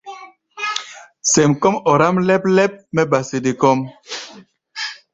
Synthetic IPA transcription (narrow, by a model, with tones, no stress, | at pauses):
sɛ˨mkɔ˦mɔ˨ɾa˦mlɛ˦p̚lɛ˦p̚mɛ˦ba˨si˨di˨kɔ˦m